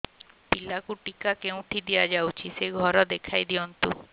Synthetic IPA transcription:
pilakuʈikakew̃ʈ̪ʰid̪ijad͡ʒawt͡ʃʰiseɡʱɔɾɔd̪ekʰajd̪iɔnt̪u

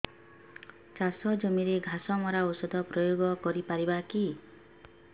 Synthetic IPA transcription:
t͡ʃasɔd͡ʒɔmiɾeɡʱasɔmɔɾausɔd̪ʱɔpɾɔjoɡɔkɔɾipaɾibaki

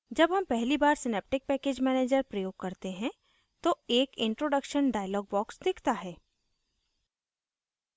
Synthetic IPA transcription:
d͡ʒɐbɦɐmpɛɦlibaːɾsɪneːp̚ʈɪk̚pɛːkeːd͡ʒmɛːneːd͡ʒəɾpɾəjoːɡ̚kːɐɾt̪eɦɛ̃ | t̪oeːkɪ̃ɳʈɾoːɖəkʃənɖaːjlɔːɡ̚bɔːksd̪ɪkʰt̪aɦɛː

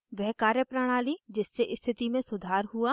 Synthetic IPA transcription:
ʋɛɦkaːɾjəpɾaɽ̃aːlid͡ʒɪsːeʔɪst̪ʰɪt̪imẽsʊd̪ʱaːɾɦuaː

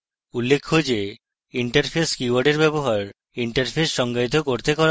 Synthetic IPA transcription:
ulːekʰːod͡ʑe | iɳʈaɾpʰeskiwaɖeɾbɛboɦaɾ | iɳʈaɾpʰesʃɔŋɡait̪okoɾt̪ekɔɾ

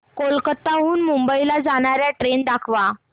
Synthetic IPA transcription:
kolkət̪ːaɦuːnmumbəilad͡zaɽ̃aɾjaʈɾend̪akʰʋa

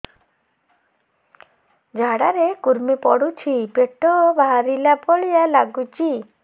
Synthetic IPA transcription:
d͡ʒʱaɽaɾekuɾmipɔɽut͡ʃʰipeʈɔbaaɾilapɔɭijalaɡut͡ʃʰi

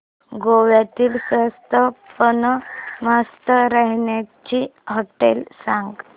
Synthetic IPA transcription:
ɡoʋjat̪iːlsəst̪əpənəmast̪əɾaɦɳjat͡ɕiɦoʈḛlsãŋɡ

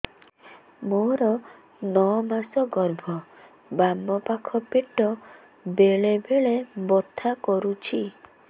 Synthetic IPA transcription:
moɾɔ | nɔmasɔɡɔɾbʱɔ | bamɔpakʰɔpeʈɔ | beɭebeɭebot̪ʰakɔɾut͡ʃʰi

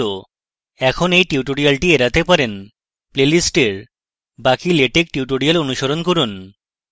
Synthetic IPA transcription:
o | ɛkʰonejʈiuʈoɾialʈieɾat̪epaɾen | plelisʈeɾ | bakileʈek̚ʈiuʈoɽialonuʃoɾonkoɾun

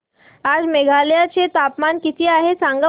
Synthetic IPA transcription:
aːd͡ʑmeɡʱaljat͡ɕet̪aːpmankɪt̪ʰiaːɦesãŋɡə

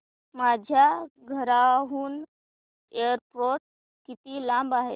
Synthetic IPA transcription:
mad͡ʑʱjaɡʱəɾaɦuːn | eəɾpɾoʈ̚ | kit̪iːlãmbaɦet̪

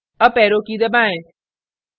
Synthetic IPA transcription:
ɐpɛːɾokid̪ebãːẽ

